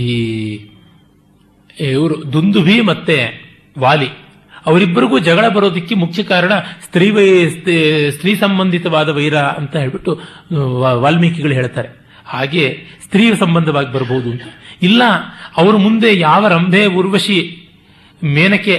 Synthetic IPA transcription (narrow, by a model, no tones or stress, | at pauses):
i | ʋɐɾud̪und̪ubʱimɐt̪ːe | ʋaːli | ɐʋɐɾibːɐɾiɡuːd͡ʒɐɡɐɭɐbɐɾoːd̪ɐkːemukʰjɐkaːɾɐɳɐst̪ɾiːʋɐsst̪ɾiːsɐmbɐnd̪ʱit̪ɐʋaːd̪ɐʋɐjɾaɐ̰nt̪ɐɦeːɭbiʈːu | ʋaːlmiːkɛɡɐɭɦeːɭt̪aːɾe | haːɡe̞ːst̪ɾiːsɐmbɐnd̪ɐʋaːɡibɐɾboɦud̪uɐnt̪ɐ̥ilːɐɐʋɐɾɐmund̪e̞jaːʋɐɾɐmbʱeːuɾʋɐʂi | meːnɐkːe